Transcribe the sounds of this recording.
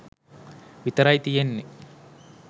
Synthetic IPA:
ʋit̪ɐɾajt̪ijenːi

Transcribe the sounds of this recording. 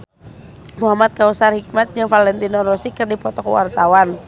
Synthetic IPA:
muɦamat̪̚kausarhik̚mat̪̚d͡ʒɨŋfalɛnt̪inɔɾɔsikərdipɔt̪ɔkwa̰rt̪awan

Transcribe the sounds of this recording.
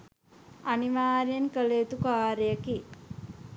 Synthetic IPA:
aniʋaːɾijənkəleːt̪ukaːɾəjəki

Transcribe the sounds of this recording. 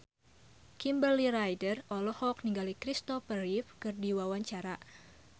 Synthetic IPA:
kimbəliɾajdərɔlɔhɔk̚niŋɡalikɾist̪ɔfərifkɨrdiwawaɲt͡ʃaɾa

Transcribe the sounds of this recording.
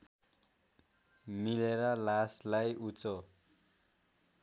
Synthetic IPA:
mileɾʌlaslajut͡so

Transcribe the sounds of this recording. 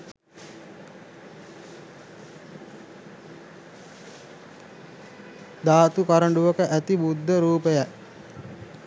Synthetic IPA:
d̪aːt̪ukaɾəɳɖuʋəkəʔæt̪ibud̪ʱːəɾuːpəjæ

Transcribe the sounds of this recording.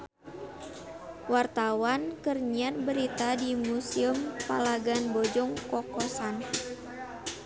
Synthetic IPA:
wart̪awankərɲanbəɾit̪adimusiəmpalaɡanbɔd͡ʒɔŋkɔkɔsan

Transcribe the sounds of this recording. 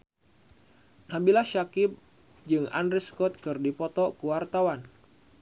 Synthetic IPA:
nabilaʃakɪp̚ | d͡ʒɨŋa̰nɾiskɔt̪̚kɨrdipɔt̪ɔkuwart̪awan

